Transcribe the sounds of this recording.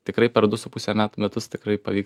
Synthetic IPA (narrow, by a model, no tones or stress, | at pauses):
t̪ʲɪkɾɐɪpʲɛɾd̪ʊsʊpʊsʲɛmʲæːt̪umʲɛt̪ʊst̪ʲɪkɾɐɪpɐʋʲiːk